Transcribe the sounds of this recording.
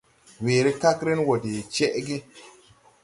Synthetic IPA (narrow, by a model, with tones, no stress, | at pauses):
weː˨ɾe˦ka˦kɾe˦nwo˨de˨t͡ʃe˦ʔɡi˦